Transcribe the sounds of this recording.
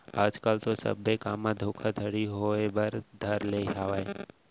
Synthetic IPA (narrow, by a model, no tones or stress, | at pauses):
aːd͡ʒkaːlt̪osə̰bekaːmːãd̪ʱoːkʰad̪ʱəɽiɦoebəɾd̪ʱəɾleɦaʋaːe